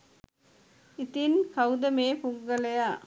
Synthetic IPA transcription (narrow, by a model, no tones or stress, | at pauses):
ɪt̪inkɐwd̪ɐmeːpuŋɡɐlɐjaː